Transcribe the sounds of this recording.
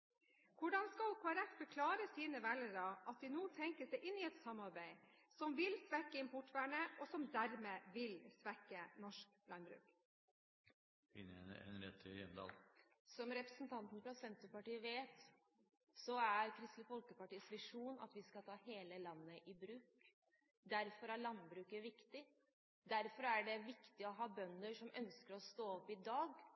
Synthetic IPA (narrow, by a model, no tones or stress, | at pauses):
kʰʊɖɑnskɑlkʰoɛɾɛt̪ːbəkʰlɑːɾəsiːnəʋælːəɾɑʔɑt̪̚d̪ɪnoːt̪ʰɛŋkəsɛɪʔɪnːɪɛt̪sɑmɑɾbæɪ | sɔmʋɪlsʋɛkːəɪmpʰɔʈːʋæːɳəʔɔsɔmd̪æɾmeːʋɪlsʋɛkːənɔʂk | lʔɑnbɾʉ̰ːk | fɪnːəɛɛ̰nɾɛt̪̚t̪ʰɪjɛnd̪ɑ̰ːlsɔmɾɛpɾəsnt̪ʰɑnt̪nəfɾɑsɛnt̪ʊpɑʈiːəʋeːt̪ | sɔæɾkʰɾɪst̪ləfɔlkəpɑʈiːsʋɪʂuːnɑ̰t̪ʋɪskɑlt̪ʰɑːheːləlɑnːəʔɪbɾʉːk | d̪æɾfɔɾæɭɑnbɾʉːkəʋɪkt̪ɪ | d̪æɾfɔɾæɖɛʋɪkt̪ɪɔɦɑːbœnːəʂɔmœnskəɾɔst̪oːɔpːɪd̪ɑːɡ